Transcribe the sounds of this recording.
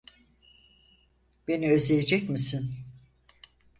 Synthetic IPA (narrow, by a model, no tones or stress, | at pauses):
b̥e̞niøzejed͡ʒɛcmisin